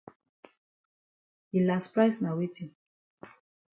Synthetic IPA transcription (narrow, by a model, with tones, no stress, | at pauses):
i˨la˨spɾa˦jsna˨wi˦ti˨